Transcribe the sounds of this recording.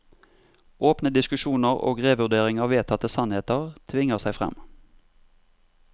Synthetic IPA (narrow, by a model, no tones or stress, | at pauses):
ʔoːpnəd̪ɪskʉʃuːnəʁo̰ːɡʁeːʋʉd̪eːʁɪŋɑːʋeːt̪ʰɑt̪əsɑnheːt̪əʁt̪ʰʋɪŋəʁsæɪfʁɛ̰m